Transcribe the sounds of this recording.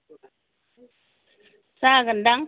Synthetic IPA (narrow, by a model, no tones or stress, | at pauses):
saɡəndaŋ